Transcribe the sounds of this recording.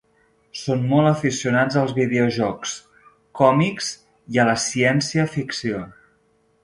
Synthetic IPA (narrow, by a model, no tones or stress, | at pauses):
sonmɔlˠəfisiunad͡zəlˠzβið̞euʒɔks | kɔmikz | iələsiɛnsiəfiksio